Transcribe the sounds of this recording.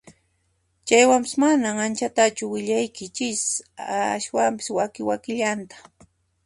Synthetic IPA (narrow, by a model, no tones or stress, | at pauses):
t͡ʃajwampɪ̥smanaŋant͡ʃat̪at͡ʃʊwɪʎajkɪt͡ʃɪsaʃwampɪ̥swakɪwakɪʎant̪ḁ